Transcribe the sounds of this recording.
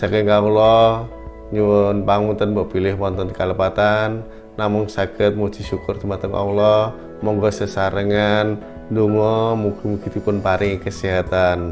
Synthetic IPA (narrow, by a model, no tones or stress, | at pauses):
sakɛɡaulɔ | ɲunbaŋunt̪ənbɔʔpilɪhmɔnt̪ɔnkaləpat̪anː | amɔŋsakət̪̚mut͡ʃiʃukʊrt̪umat̪əmʔa̰ulɔ | mɔŋɡɔsəsaɾəŋan | duŋɔmukimukit̪upʊnpaɾʔɪŋkəsiɦat̪an